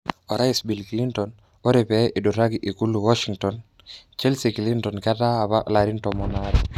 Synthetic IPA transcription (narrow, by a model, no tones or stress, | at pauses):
ɔɾaisbilklintɔn | oɾepɛʔiduɾaɡiʔikuluwɔʃiŋtɔn | t͡ʃɛlsikilintɔnkataːβaʔlaɾintɔmɔnaɾɛ